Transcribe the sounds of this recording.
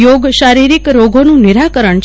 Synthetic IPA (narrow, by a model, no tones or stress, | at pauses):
joɡʃaɾiɾikɾoɡʱonũnɪɾakəɾəɳt͡ʃ